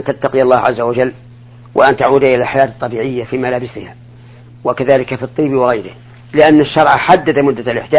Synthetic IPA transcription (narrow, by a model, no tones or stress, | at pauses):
nt̪at̪ːaqɪjɑlˤːɑːhʕa̰zːawad͡ʒalː | wʔa̰ʔant̪aʕuːd̪ʔɪlalħajaːt̪t̪ˤːɑbiːʕɪjːafiːmalaːbɪsɪha̰ː | wakaðaːlɪkafit̪ˤːiːbwɪɣajɾɪh | lɪʔanːaʃːɑɾˤʕaħad̪ːad̪mʊd̪ːalʔɪ̰ħd̪a